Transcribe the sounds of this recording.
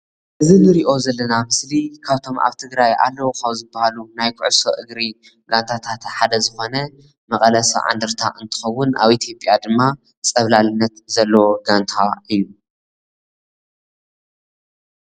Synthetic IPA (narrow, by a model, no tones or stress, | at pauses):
ʔɨzinɨɾiʔo̞zɐlːɐnamɨslikʰaβt̪ʰo̞mʔa̰βt̪ʰɨɡɾaja̰lːɐwokʰaβzɨbːahalunajkʰʊ̰ʕsoʔɨɡɾi | ɡ̥ant̪ʰat̪ʰat̪ħad̪ɐzɨxo̞nɐ | mɐkʼɐlɐsɐʕa̰nd̪ɨɾt̪ʰa̰ʔɨnt̪ʰɨ̥xɐwːʊna̰βit̪ʰjo̞pʼjad̪ɨmːa | t͡sʼɐβlalɨnːɐt̪zɐlːɐwoɡant̪ʰaʔɨjːu